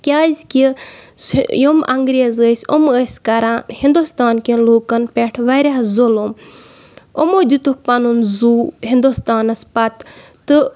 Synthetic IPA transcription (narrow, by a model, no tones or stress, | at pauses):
kʲaːzʲkʲi | jomʔɐŋɡɾeːzəːsʲoməsʲkɐɾanhind̪ust̪aːnkʲinloːkɐnpʲeʈʰʋɐɾʲahzolom | omoːd̪it̪uk̚pɐnunzuːɦind̪ust̪aːnɐspɐt̪ː | ɨ